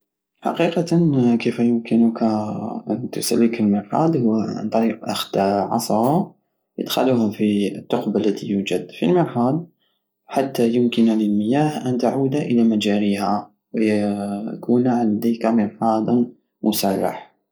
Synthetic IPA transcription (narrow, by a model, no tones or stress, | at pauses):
ħɑ̰qiqɑkefæjʊmkənʊkaʔnt̪ʊsa̰lːikəlməɾħɑ̰ːd̪ˤhʊwːa̰nt̪ˤɑɾiːqʔaxd̪̥ʕɑ̰sˤɾˤɑ | jə̰d̪xaluhafiət̪ːʊqbalːæt̪ḭjuːd͡ʒæd̪fḭlməɾħɑːd̪ | ħat̪ːajʊmkənləlməjaːhʔænt̪aʕuːd̪aʔəlamæd͡ʒaɾihæ | wjakʰuːnʕand̪ikaməɾħɑːd̪ˤ | mʔʊsarˤːa̰ħ